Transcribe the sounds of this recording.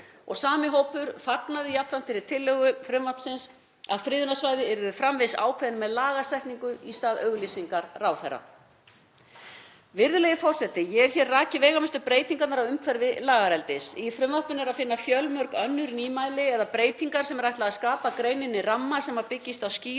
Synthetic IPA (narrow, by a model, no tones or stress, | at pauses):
ɔ̰ɣsaːmɪɦoːwpʏɾfaknaðɪjap̪ɾam̥t̪ʰɪɾɪɾ̥t̪ʰɪlːœɣʏfɾʏmvapsɪns | a̰ðfɾɪːðʏnasvaːjðɪɛɾðʏfɾamvɪsa̰ːwkʰvɛðnmɛðlaːɣast̪ɛjht̪niŋkʏist̪aːðœɣliːsiŋkaɾrawθɛrːa̰ | vɪɾðʏlɛjɣɪfɔr̥sɛt̪ɪjɛɣɛɾ̥çjɛrraːcɪvɛːɣamɛst̪ʏpɾeːjt̪iŋkat̪naɾawʏmkʰvɛɾvɪlaːɣaɾɛlt̪ɪsifɾʏmvapʏnɛɾaðfɪnːafjœlmœɾkœnːʏɾniːmaːjlɪɛðapɾeːjt̪iŋkaɾsɛmɛɾajht̪laɣaskaːpakɾeːɥnɪnːɪramːasɛmːaðpɪcːɪst̪awsciː